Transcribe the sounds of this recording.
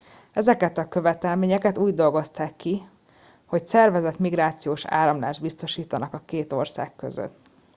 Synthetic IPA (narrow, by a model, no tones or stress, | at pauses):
ɛzɛkɛt̪ɒkøvɛt̪ɛlmeːɲɛkɛt̪uːɟd̪o̞lɡo̞st̪aːkːi | ho̞csɛrvɛzɛt̪miɡɾaːt̪sijoːʃa̰ːɾɒmlaːʒd̪̚bist̪o̞ʃiːt̪ɒnɒkɒkeːt̪o̞rsa̰ːkːø̰zø̰t̪ː